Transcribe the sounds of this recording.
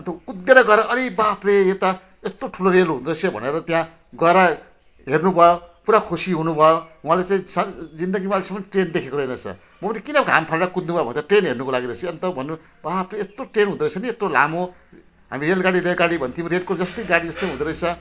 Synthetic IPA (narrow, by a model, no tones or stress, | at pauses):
ʌnt̪ʌkud̪ːeɾʌɡʌɾʌʔʌɾibapreet̪a | est̪oʈʰuloɾelɦũnd̪ɾʌjt͡sʰʌbʱʌ̰neɾʌt̪jã | ɡʌɾa | ɦernubʱʌjopuɾakʰusiɦunubʱʌjoɦũwãlet͡saĩsʌd͡zind̪ʌɡimalisʌmʌnʈrend̪ekʰekoɾʌenʌt͡sʰʌ̰ | mʌpʌnikinʌɡʱa̰mpʰalɽakud̪nubajbʱʌnʰʈrenɦernukolaɡiɾʌsʰiʌnt̪ʌbʱʌnːu | bapreest̪oʈrenɦũd̪ɾʌjt͡sʰʌniest̪ola̰mo | ɦa̰mirelɡaɽiɾeɡaɽibʱʌnt̪ʰiumɾelkod͡zʌst̪ʌjɡaɽid͡zʌst̪ʌjɦũd̪ɾʌjt͡sʰʌ